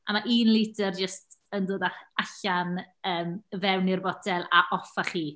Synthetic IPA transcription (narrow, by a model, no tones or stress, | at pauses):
amaʔiːnlˠidɛrd͡ʒəstəndoːdaaɬanəːmvɛwnɪrbɔdɛlˠaʔɔfaχiː